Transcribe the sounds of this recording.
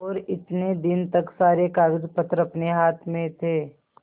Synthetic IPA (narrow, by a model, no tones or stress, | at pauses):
ɔːɾɪt̪ned̪ɪnt̪ɐksaːɾekaːɡd͡ʒpɐt̪ɾɐpneɦaːt̪ʰmẽt̪ʰeː